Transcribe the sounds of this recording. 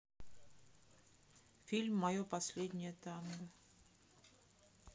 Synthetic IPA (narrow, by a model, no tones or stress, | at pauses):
fʲilʲmːɐjopɐsʲlʲed̪ʲnʲɪjət̪ɑmə